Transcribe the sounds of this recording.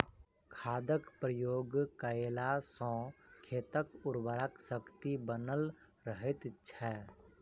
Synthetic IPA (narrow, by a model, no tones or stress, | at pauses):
kʰaːd̪əkpɾəjoːɡkəelasɔ̃ːkʰeːt̪əkʊɾbəɾəksəkt̪ibənəl | ɾəɦɪt̪t͡ʃʰɛː